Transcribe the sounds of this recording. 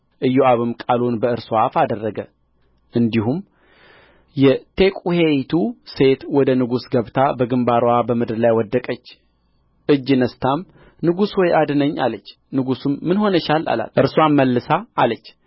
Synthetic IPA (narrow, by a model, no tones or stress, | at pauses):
ʔɨjːuʔaβɨmkʼalunbəɨɾsoafad̪ərːəɡə | ʔɨnd̪ihum | jɛt̪ʰe̞kʼuhejt̪ʰuse̞t̪wɔd̪ənɨɡusɡəβt̪ʰabəɡɨmbaɾwabəmɨd̪ɨɾlajwɔd̪ːəkʼət͡ʃː | ʔɨd͡ʒːɨnəst̪ʰam | nɨɡuswɔjʔad̪ɨnəɲːa̰lət͡ʃː | nɨɡusumːɨnho̞nəʃala̰la̰ʔɨɾswamːəlːɨsaːlət͡ʃː